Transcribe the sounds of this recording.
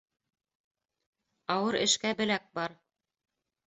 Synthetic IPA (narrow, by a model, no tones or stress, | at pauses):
ɑwɤɾɘ̰̆ʃkæbɘ̆læk̚bɑɾ